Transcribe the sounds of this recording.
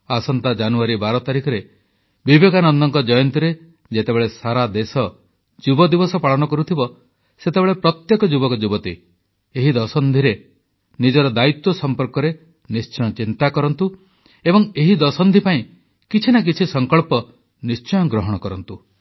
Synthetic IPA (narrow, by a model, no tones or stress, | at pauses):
asɔnt̪ad͡ʒanuaɾibaɾɔt̪aɾikʰɔɾe | bibeɡanɔnd̪ɔŋkɔd͡ʒɔjɔnt̪iɾe | d͡ʒet̪ebeɭesaɾad̪esɔ | d͡ʒubɔd̪ibɔsɔpaɭɔɽ̃ɔkɔɾut̪ʰibɔ | set̪ebeɭepɾɔt̪jekɔd͡ʒubɔkɔd͡ʒubɔt̪i | eɦid̪ɔsɔnd̪ʱiɾe | nid͡ʒɔɾɔd̪ait̪wɔsɔmpɔɾkɔɾe | nist͡ʃɔjɔt͡ʃint̪akɔɾɔnt̪u | ebɔŋeɦid̪ɔsɔnd̪ʱipaĩ | kit͡ʃʰinak̬it͡ʃʰisɔŋkɔɭpɔ | nist͡ʃɔjɔɡɾɔɦɔɽ̃ɔkɔɾɔnt̪u